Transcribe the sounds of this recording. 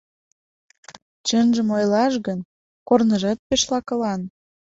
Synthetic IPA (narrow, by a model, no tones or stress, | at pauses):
t͡ɕənʒəmojlɑʃɣən | kornəʒɑt̪̚peʃlɑkə̆lɑn